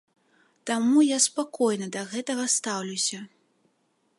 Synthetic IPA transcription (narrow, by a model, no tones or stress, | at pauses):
t̪amujaspakɔjnɐd̪ɐɣɛt̪ɐɣɐst̪awlʲusʲɐ